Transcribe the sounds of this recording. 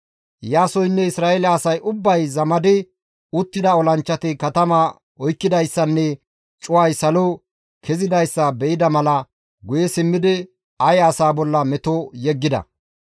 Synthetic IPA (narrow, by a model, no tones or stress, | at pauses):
jaːsɔjnːɛɪsɾaːɛlɐːsɐjʔʊbːɐjzɐmɐd̪ɪ | ʊt̪ːɪd̪ɐɔlɐnt͡ʃːɐt̪ɪkɐt̪ɐma | ɔjkːɪd̪ɐjsːɐnːɛ | t͡ʃʼʊwajsɐlɔ | kʰɛzɪd̪ɐjsːɐbɛʔɪd̪ɐmɐlɐ | ɡʊjɛsɪmːɪd̪ɪ | ɐjɐsaːbɔlːɐmɛt̪ojɛɡːɪd̪ɐ̰